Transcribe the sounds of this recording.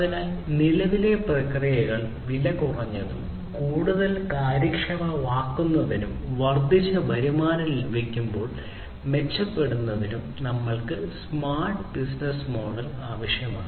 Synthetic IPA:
ɐðinaːlnilɐʋile̞prɐkrijɐɣɐɭ | ʋilɐkurɐɲːɐðṵm | kuːɽuðɐlkaːɾɐkʂɐmɐʋaːkːunːɐðinumʋɐrd̪it͡ɕːɐbʱɐɾumaːnɐlibikʲːumbo̞ːɭ | me̞t͡ɕːɐpːe̞ɽunːɐðinumnɐmːɐɭkɨsmaːrʈɨbisnɐsmo̞ːɽɐlaːʋɐʂjɐmaː

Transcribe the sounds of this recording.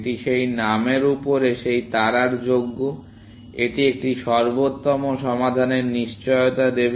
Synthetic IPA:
ʈiʃejnameɾupoɾeʃejt̪aɾaɾd͡ʑoɡːo | eʈiek̚ʈiʃɔɾbot̪ːɔmoʃɔmad̪ʱaneɾniʃt͡ɕɔjot̪ad̪eb

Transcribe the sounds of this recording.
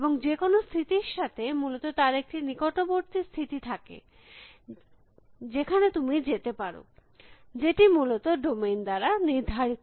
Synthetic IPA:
boŋd͡ʑekonost̪ʰit̪iɾʃat̪ʰemulot̪ot̪aɾek̚ʈinikoʈoboɾt̪ist̪ʰit̪it̪ʰakḛ | d͡ʑekʰanet̪umid͡ʑet̪epaɾo̰ | d͡ʑeʈimulot̪oɖomejnd̪aɾaniɾd̪ʱaɾit̪

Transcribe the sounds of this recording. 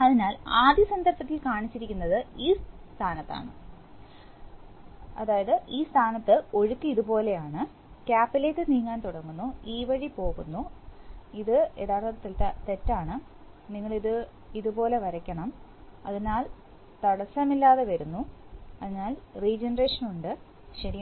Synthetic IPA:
ɐðinaːlaːd̪jɐsɐnd̪ʱɐrpɐt̪ːilkaːɳit͡ɕːiɾikʲːunːɐðɨiːst̪ʰaːnɐt̪ːa̰ːɳɨ̰ | ɐ̰ðaːjɐðɨʔiːst̪ʰaːnɐt̪ːɨo̞ɻukːɨiðupo̞ːle̞jaːɳɨ | kʲaːpːiletːɨniːŋːaːnt̪uɽɐŋːunːuiːʋɐɻipo̞ːɣunːu | iðɨe̞ːðaːrt̪ɐɐt̪ːilt̪ɐt̪e̞tːaːɳɨ | niŋːɐɭiðɨ | iðupo̞ːle̞ʋɐɾɐkʲːɐɳɐmɐðinːaːl | t̪ɐɽɐsɐmilːaːðeʋɐɾunːuɐðinːaːlriːd͡ʑenɐreːʂɐnuɳɖɨ | ɕɐɾi

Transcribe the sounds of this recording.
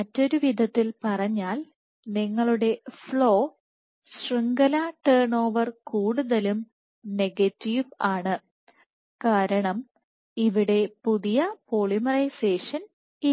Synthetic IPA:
ɐtːo̞ɾuʋid̪ʱɐt̪ːilpɐrɐɲːaːl | niŋːɐɭuɽe̞fɭo̞ː | sriŋɡɐlaʈeːɳo̞ːʋɐrkuːɽuðɐlum | ne̞ɡɐtːiʋaːɳɨ | kaːɾɐɳɐm | iʋiɽe̞puðijɐpoɭimɐrɐjse̞ːʂɐn | i

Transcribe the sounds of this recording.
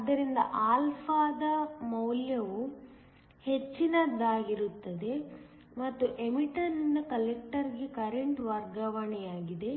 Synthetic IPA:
ɐd̪ːɐɾind̪ɐ̰ʔaːlpʰaːd̪ɐmɐwljɐʋu | he̞t͡ʃːinɐd̪aːɡiɾut̪ːɐd̪e̞ | mɐt̪ːuʔemiʈɐnːɐkɐlek̚ʈɐɾɡekɐɾeɳʈʋɐɾɡɐʋɐɳɛjaːɡid̪e̞

